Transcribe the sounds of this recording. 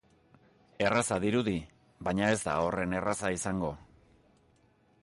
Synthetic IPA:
e̞rasaðiɾuði | βajɲae̞zt̪a̰o̞re̞ne̞rasaisaŋɡo̞

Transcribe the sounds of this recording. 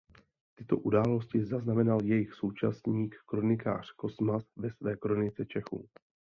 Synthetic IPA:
t̪ɪt̪o̞̰ʔudaːlo̞scɪzaznamɛnaljɛjɪxso̞wt͡ʃa̰sɲiːkːɾo̞nɪka̰ːr̝̥ko̞smasvɛsvɛːkɾo̞nɪt͡sɛt͡ʃɛxṵː

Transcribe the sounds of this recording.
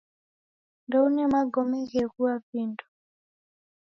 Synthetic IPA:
ndɔunɛmaɡɔmɛɣɛɣuapindɔ̥

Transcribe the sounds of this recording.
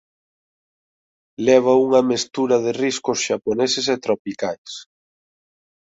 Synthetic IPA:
lɛβ̞ɐuŋɐmest̪uɾɐðɪriskʊsʃaponeseset̪ɾopikajs

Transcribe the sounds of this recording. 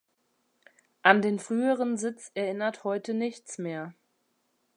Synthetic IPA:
ʔandeːnfʁ̥yːəʁənzɪt͡sɛɐʔɪnɐthɔʏtənɪçt͡smeːɐ

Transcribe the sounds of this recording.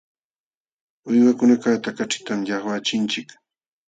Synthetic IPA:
ʊjwakʊnakat̪akat͡ʃɪ̥t̪amjaχwat͡ʃɪnt͡ʃɪk

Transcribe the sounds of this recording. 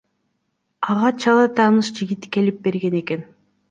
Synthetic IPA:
ɑʁɑt͡ʃʰɑlˠɑt̪ʰɑːnɯʃd͡ʒiɡit̪ke̞lip̚be̞ɾɡe̞ne̞ke̞n

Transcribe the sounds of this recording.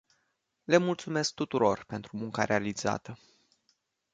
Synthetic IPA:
le̞mult̪sume̞sk̚t̪ut̪uɾo̞rpe̞nt̪ɾumuŋkaɾealiz̥a̰t̪ə

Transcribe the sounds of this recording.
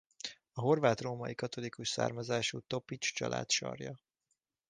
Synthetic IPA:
ɒɦo̞rvaːt̪roːmɒjikɒt̪o̞likuʃsa̰ːrmɒzaːʃuːt̪o̞pit͡ʃt͡ʃɒ̰lʔa̰ːt̪ʃɒ̰rjɒ

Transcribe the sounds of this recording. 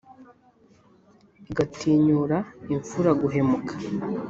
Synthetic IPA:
ɡatʰiːɲuːɾaiɱfuɾaɡuɦe̞mukʰḁ

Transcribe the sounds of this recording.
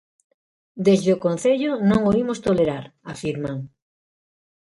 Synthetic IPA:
d̪ezðeokõnθeʎonõŋoimʊst̪oleɾaɾafiɾmaŋ

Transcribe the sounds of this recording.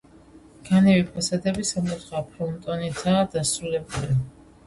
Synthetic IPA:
ɡ̥anɛvipʰasad̪ɛbisamkʼut̪χapʰɔnt̪ʼɔnid̪zaːd̪asɾulɛbuli

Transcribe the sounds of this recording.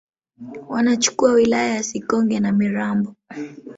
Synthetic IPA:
wanat͡ʃu̥kuawilajajasikɔŋɡɛnamiɾambɔ

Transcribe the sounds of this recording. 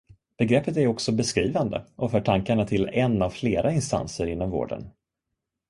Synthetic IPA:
b̥ɛɡɾɛpːət̪æɾɔksɔbɛskɾiːvand̪ə̰ʔɔfœːʈʰaŋkaɳat̪ʰɪlɛnːavfleːɾaɪnst̪a̰nsəɾɪnːɔmvo̰ːɖə̰n

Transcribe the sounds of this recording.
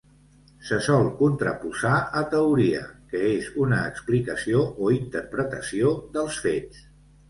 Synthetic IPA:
səsɔlˠkunt̪ɾə̰puzaət̪əuɾiə̰kəezunəːksplikəsioʔoint̪əɾpɾət̪əsioðəlˠsfes

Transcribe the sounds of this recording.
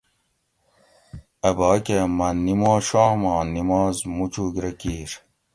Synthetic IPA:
ɐbaːkemɐnːimõːʃɔːhmɑ̃ːnimɔːzmut͡ɕuːɡɾɐkiːɾ

